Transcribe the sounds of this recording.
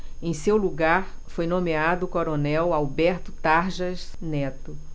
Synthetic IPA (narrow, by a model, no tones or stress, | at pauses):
ẽj̃sewluɡaɾ | fojnõmead̪ʊːkoɾonɛwawbɛɾt̪ʊt̪aɾʒɐznɛt̪ʊ